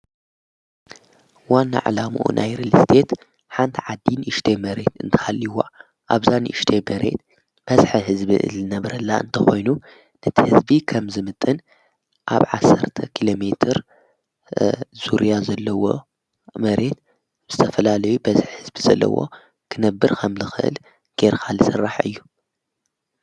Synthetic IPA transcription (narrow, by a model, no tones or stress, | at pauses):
wanːa̰ʕa̰lamṵʔṵnʔa̰jɾilɨst̪ʰe̞t̪ | ħant̪ʰʕad̪ːinʔɨʃt̪ʰemɐɾe̞t̪ɨnt̪ʰɨ̥alːiwa | ʔaβzaniʔɨʃt̪ʰebɐɾḛt̪ | b̥ɐzħiɦɨzbḭzɨnɐβɾɐlːaɨ̰nt̪ʰɐxo̞jnu | nɐt̪ʰihɨzbikʰɐmzɨmɨt̪ʼːɨn | ʔa̰βʕasːɐ̰ɾt̪ʰɐkʰilo̞me̞t̪ʰɨɾ | z̥uɾijazɐlːɐwo̞̰ | mɐɾe̞t̪ | z̥ɨt̪ʰɐfɐlalɐjubɐzħhɨzbizɐlːɐ̰wo̞̰ | kʰɨnɐbːɨɾkʰɐmzɨxɨʔɨ̰l | ɡ̥eɾxalsɨrːaħʔɨ̰jːu